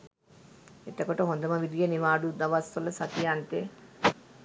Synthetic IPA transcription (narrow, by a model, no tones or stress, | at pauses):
et̪ɐkoʈoɦond̪ɐmɐʋid̪ijeniʋaːɖud̪ɐʋast̪olɐsɐt̪ijant̪e